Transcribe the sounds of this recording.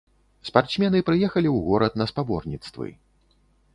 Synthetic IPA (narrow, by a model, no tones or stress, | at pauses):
spart̪smʲɛnɨpɾɨjɛxɐlʲiwɣɔɾɐt̪nɐspabɔrnʲit̪st̪vɨ̰